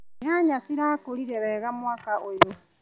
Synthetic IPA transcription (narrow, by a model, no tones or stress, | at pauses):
jaːɲasiɾakoɾiɾɛβɛːɣamwaːkaʔojo